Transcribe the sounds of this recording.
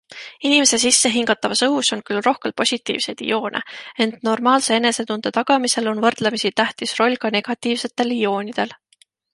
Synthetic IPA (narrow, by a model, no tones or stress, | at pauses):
inime̞se̞sisːe̞ɦiŋɡ̥ɑt̪ːˑɑvɑsɤɦuso̞nkylro̞hke̞lpo̞sʲit̪ːˑḭːv̥se̞jd̪ḭjo̞ːnʔḛe̞nt̪no̞rmɑːlsee̞ne̞se̞t̪und̪̥et̪ɑɡ̥ɑmise̞lo̞nvɤrd̪̥lemisit̪æht̪isro̞lʲkɑne̞ɡ̥ɑt̪ːˑiːvse̞t̪ːˑe̞lijo̞ːnid̪̥e̞l